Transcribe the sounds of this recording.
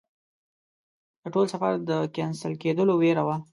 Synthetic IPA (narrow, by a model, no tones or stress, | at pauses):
d̪̥əʈolsafaɾd̪əkansəlked̪əloweɾawa